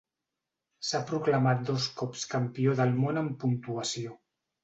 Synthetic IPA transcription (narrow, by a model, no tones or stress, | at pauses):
sapɾuklamat̪̚d̪oskɔpskampioðəlmonəmpunt̪uasio